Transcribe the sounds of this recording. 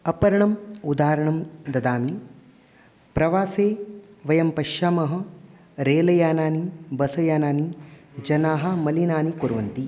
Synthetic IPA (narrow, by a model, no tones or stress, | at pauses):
ɐpɐɾɐɳɐmud̪aːɾɐɳɐmd̪ɐd̪aːmi | pɾɐʋaːseːʋɐjɐmpɐʃaːmɐɦɐ̆ | ɾeːlɐjaːnaːnibɐsɐjaːnaːnid͡ʒɐnaːɦɐmɐlinaːnikuɾʋɐnt̪i